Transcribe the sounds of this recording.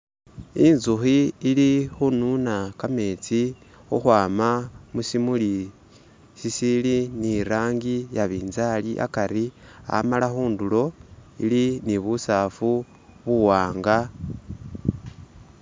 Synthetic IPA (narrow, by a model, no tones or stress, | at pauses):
inzuxiːlixununakame̞t͡si | oxwaːmamusimuli | sisiliniɾaːŋɡijaβiːnzaliʔa̰kaɾia̰malaxuːndulo̞iliniβusafu | βuwaːŋɡa